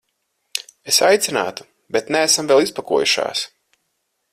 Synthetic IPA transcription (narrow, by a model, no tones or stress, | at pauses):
esajt̪sʲina̰ːt̪u̥ | bet̪neːsamvɛlˠispakuɔjuʃa̰ːs